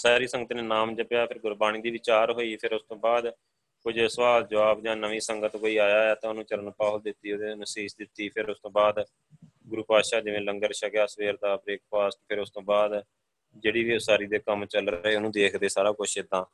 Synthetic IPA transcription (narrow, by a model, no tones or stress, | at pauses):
saːɾiːsəŋɡət̪ːnẽːnaːmd͡ʒəpjaːpʰɪɾɡʊɾbaːñiːd̪iːʋɪt͡ʃaːɾɦoːiːpʰɪɾʊst̪õːbaːd̪ | kʊd͡ʒsəʋaːld͡ʒəʋaːbd͡ʒãːnəʋĩːsəŋɡət̪koːiːaːjaːaːt̪ãːʊnũːt͡ʃəɾənpaːld̪ɪt̪ːiːod̪eːnəsiːsd̪ɪt̪ːiːpʰɪɾʊst̪õːbaːd̪ | ɡʊɾuːpaːʃaːd͡ʒɪʋẽːləŋɡəɾʃəkjaːsʋeːɾd̪aːpɾeːk̚paːsʈpʰɪɾʊst̪õːbaːd̪ | d͡ʒeːɽiːʋiːʊsaːɾiːd̪eːkəmt͡ʃəlɾəɦeːʊnũːd̪eːkʰd̪eːsaːɾaːkʊʃʰɪd̪ãː